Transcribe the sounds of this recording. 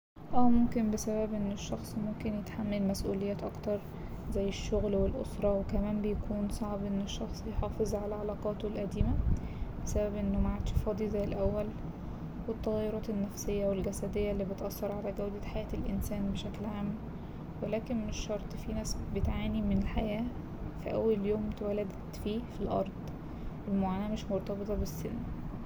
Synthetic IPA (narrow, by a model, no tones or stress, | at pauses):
ʔæːmomkenbesæbæbʔenːeʃːɑxsˤmomkenjet̪ħamːælmæsʔṵːlejːæːt̪ʔɑkt̪ɑɾˤ | zæjːeʃːoɣlwelʔo̰sɾˤɑwekæmæːmbejækʰuːnsˤɑʕbʔenːeʃːɑxsˤjħɑːfezˤʕalæʕɑlɑːqɑːt̪olʔæd̪iːmæ | besæbæbʔenːomaʕad̪ʃfɑːd̪ˤizæjːelʔæwːæl | wet̪ˤːɑɣjːoɾɑːt̪enːæfsejːæwelɡæsæd̪ejːælːiːbet̪ʔɑsːɑɾˤʕalæɡæwd̪æħajæːt̪elʔḛnsæːnbeʃæklʕaːmː | welæːkenmeʃːɑɾˤt̪ˤfiːnæːsbet̪ʕaːnimenelħajæː | fiʔæ̰wːæljoːmt̪wælæd̪t̪fiːfilʔɑ̰ɾˤd̪̥ˤ | welmoʕaːnæːmeʃmoɾˤt̪ˤɑbet̪ˤɑbesːḛnː